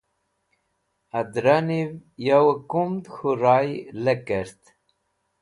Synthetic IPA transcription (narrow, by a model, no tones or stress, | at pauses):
ad̪ɾanivjawəkumd̪xuɾajləkəɾt̪